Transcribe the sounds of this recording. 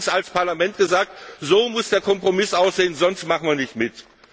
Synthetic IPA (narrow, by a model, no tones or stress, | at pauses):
salspaɐlamɛntɡ̥əzaːk̚tz̥oːmʊsd̥eːɐkʰɔmpʁ̥omɪsʔaʊsz̥eːənzɔnstmaχn̩viːɐnɪçtmɪt